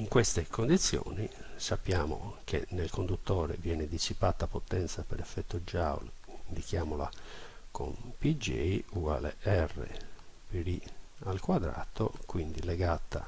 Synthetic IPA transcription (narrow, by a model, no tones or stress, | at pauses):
iŋkwest̪ekond̪it̪sːjɔ̰ːnisapːjaːmo̰kḛnːelkond̪ut̪ːɔːɾḛvjɛːned̪isipat̪ːapot̪ːɛnt̪sapeɾɛfːɛt̪ːod͡ʒawlind̪ikjaːmola̰kʰo̰mpid͡ʒɛ̰jualḛɛrːḛpeɾialkwad̪ɾa̰ːt̪okwind̪ileɡat̪ːa̰